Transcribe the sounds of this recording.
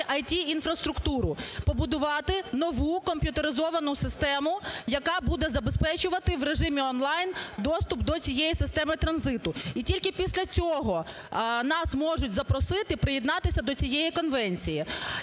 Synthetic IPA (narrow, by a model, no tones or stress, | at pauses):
ʔɐjtʲiinfɾɐst̪ɾʊkt̪uɾʊpɔbʊd̪ʊʋɑt̪ɪnɔʋukɔmʲpʲjʊt̪eɾɪzɔʋɐnʊsɪst̪ɛmʊjɐkɑbud̪ɛzɐbespɛt͡ʃʊʋɐt̪ɪʋreʒɪmʲiɔnlˠɑjnd̪ɔst̪ʊpd̪ɔt͡sʲijɛjisɪst̪ɛmɪt̪ɾɐnzɪt̪ʊitʲilʲkɪpʲisʲlʲɐt͡sʲɔɦɔ | nɑsmɔʐʊtʲzɐpɾɔsɪt̪ɪpɾɪjɛd̪nɑt̪ɪsʲɐd̪ɔt͡sʲijɛjikɔnʋɛnʲt͡sʲiji